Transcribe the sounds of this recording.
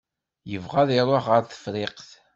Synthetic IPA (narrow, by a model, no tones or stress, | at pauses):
jəvʁaðɪɾˤoχʁəɾθə̥fɾɪqθ